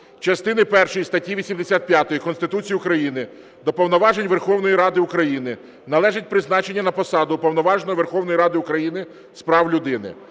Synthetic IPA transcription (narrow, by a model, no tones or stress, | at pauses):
t͡ʃɐst̪ɪnɪpɛrʃɔjist̪ɐtʲiʋʲisʲimd̪esʲat̪̚pʲjat̪ɔjikɔnst̪ɪt̪ut͡sʲijiʊkɾɐjinɪ | d̪ɔpɔwnɔʋɑʒenʲʋerxɔwnɔjiɾɑd̪ɪʊkɾɐjinɪ | nɐlˠɛʒɪt̚ʲpɾɪznɑt͡ʃe̞nʲːɐnɐpɔsɑd̪ʊpɔwnɔʋɑʒnɔʋerxɔwnɔjiɾɑd̪ɪʊkɾɐjinɪ | spɾɑwlʲʊd̪ɪnɪ̰